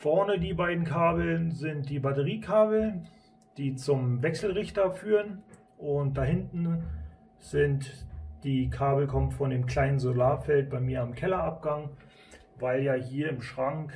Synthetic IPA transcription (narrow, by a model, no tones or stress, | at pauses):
fɛɐnədiːbaɪdn̩kʰaːbl̩nzɪnt̚d̥iːbatəʁiːkʰaːbl̩ | d̥iːt͡sʊmvɛksl̩ʁɪçtɐfyːʁən | ʔʊnt̚d̥ahɪntn̩ | z̥ɪntd̥iːkʰaːbl̩kʰɔmtfɔndeːmkʰl̥aɪnənzolaːfɛlt̚b̥aɪmiːɐamkʰɛlɐʔap̚ɡ̥aŋ | vaɪljaːɦiːɐɪmʃʁ̥aŋk